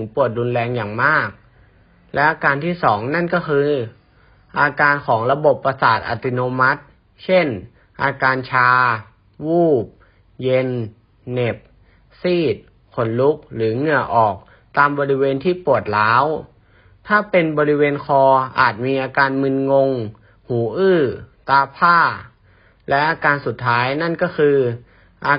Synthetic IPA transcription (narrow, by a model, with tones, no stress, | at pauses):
ŋpu˨˩ət̪̚ɾu˧nlɛː˧ŋjaː˨˩ŋmaː˥˩k̚ | lɛ˦˥ʔaː˧kaː˧nt̪ʰiː˥˩sɔː˩˦ŋna˥˩nkɔː˥˩kʰɯː˧ | ʔaː˧kaː˧nkʰɔː˩˦ŋɾa˧bo˨˩pːa˧saː˨˩t̪̚ʔa̰˨˩t̪i˧noː˧ma˦˥t̪̚ | t͡ɕʰe˥˩n | ʔaː˧kaː˧nt͡ɕʰaː˧ | wuː˥˩p̚ | je˧nː | e˨˩p̚ | siː˥˩t̪̚ | kʰo˩˦nlu˦˥k̚ɾɯː˩˦ŋɯ˧˩ɐʔɔː˨˩k̚ | t̪aː˧mbɔː˧ɾi˦˥weː˧nt̪ʰiː˥˩pu˨˩ət̪̚laː˦˥w | t̪ʰaː˥˩pe˧nbɔː˧ɾi˦˥weː˧nkʰɔː˧ʔa̰ː˨˩t̪̚miː˧ʔaː˧kaː˧nmɯ˧nŋo˧ŋ | huː˩˦ʔɯː˥˩t̪aː˧pʰaː˥˩ | lɛ˦˥ʔaː˧kaː˧nsu˨˩t̪ʰːaː˦˥jna˥˩nkɔː˥˩kʰɯː˧ | ʔaː˧